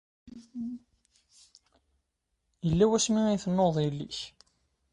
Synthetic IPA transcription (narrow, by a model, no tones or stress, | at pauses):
jəlːæwæsmiæjθənːoðˤjəlːḭç